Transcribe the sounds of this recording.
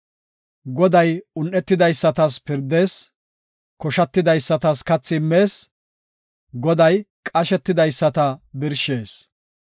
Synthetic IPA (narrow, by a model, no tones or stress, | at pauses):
ɡɔd̪ɐjʊnːɛt̪ːɪd̪ɐjsːɐt̪ɐspɪɾd̪e̞ːs | kɔʃɐt̪ːɪd̪ɐjsːɐt̪ɐskɐt͡sːɪmːe̞ːs | ɡɔd̪ɐjkʼɐʃɛt̪ːɪd̪ɐjsːɐt̪ɐbɪɾʃeːs